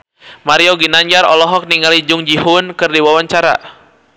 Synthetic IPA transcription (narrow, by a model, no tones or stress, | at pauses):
maɾioɡinaɲd͡ʒaɾɔ̰lɔɦɔk̚niŋalid͡ʒʊŋd͡ʒiɦʊnkɨrdiwawaɲt͡ʃaɾa̰